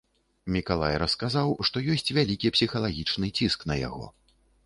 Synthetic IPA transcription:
mʲikalˠajɾɐskazawʂt̪ɔjɔsʲt͡sʲvʲalʲikʲipsʲixɐlˠaɣʲit͡ʂnɨt͡sʲisknɐja̰ɣɔ̰

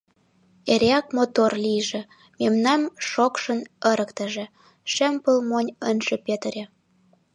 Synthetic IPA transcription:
eɾeɑkmot̪orlijʒĕ | memnɑmʃokʃənəɾəkt̪ə̆ʒĕ | ʃempəlmonʲənʒepet̪əɾʲe

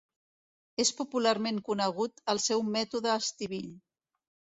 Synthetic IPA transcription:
espupulaɾmeŋkunəɣ̞ut̪əlˠsɛwmɛt̪uðəːst̪iβiʎ

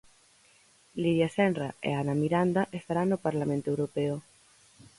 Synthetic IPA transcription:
liðjasenraḛanamiɾand̪aʔest̪aɾanːopaɾlamẽnt̪oewɾopeo

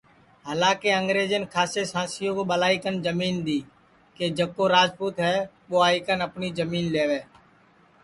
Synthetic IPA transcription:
ɦəlãːkeːəŋɡɾeːd͡ʒənkʰaːseːsãːsɪjõːkoːɓəlaːikənd͡ʒəmiːnd̪iː | keːd͡ʒəkːoːɾaːd͡ʒpuːt̪ɦɛː | ɓoːaːɪkənəpniːd͡ʒəmiːnleːʋeː

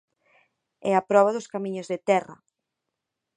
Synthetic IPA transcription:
ɛɐpɾɔβ̞ɐðʊskamĩɲʊzðet̪ɛrɐ̰

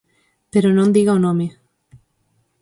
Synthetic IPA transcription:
peɾonõnd̪iɣaonõme

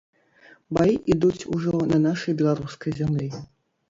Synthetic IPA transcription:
bajiʔid̪ut͡sʲuʐɔnɐnaʂɐjbʲɛlˠaɾuskɐjzʲamlʲi

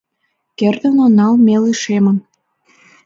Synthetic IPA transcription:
kerd̪ə̆nonɑlmeliʃemə̆m

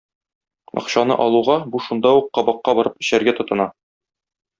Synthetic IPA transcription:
ɒ̰̆qɕɑnɤ̰ʔɒlˠuʁɑbuʃund̪ɑuqːɒbɑqːɑbɒɾɤpɘ̆ɕæɾɡæt̪ŏt̪ɤ̆nɑ

